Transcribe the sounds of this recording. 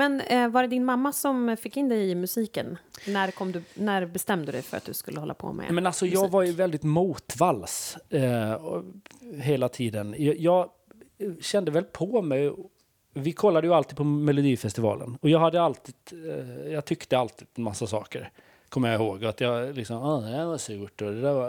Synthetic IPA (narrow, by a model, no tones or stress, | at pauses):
mɛnvaɖɛd̪ɪnmamːasɔmfɪkːɪnd̪ɛjɪmɵsiːkənnæɾkʰɔmːd̪ɵnæɾbɛst̪ɛmd̪ɵd̪ɛ̰jfœɾat̪̚d̪̥ɵskɵlːəhɔlːa̰pʰɔ̰mɛ̰mɛnalsɔjɑːɡvaɾjɵvɛld̪ɪt̪muːt̪vals | ɦeːlat̪ʰiːd̪ənjɑjɑːɡ | ɕɛnd̪əvɛlpʰɔmɛj | vɪkʰɔlːad̪əjɵalt̪iːd̪̚pʰɔmɛlʊd̪iːfɛst̪ɪvɑ̰ːlə̰nɔjɑːɡhad̪ːəalt̪ʰiːd̪̥jɑːɡt̪ʰʏkt̪əalt̪ʰiːd̪masːasɑ̰ːkəɾ | kʰɔmːəjaɪhoːɡat̪jɑlɪksɔmɑːd̪ɛd̪æɾvasʉːʈɔd̪ɛd̪æɾva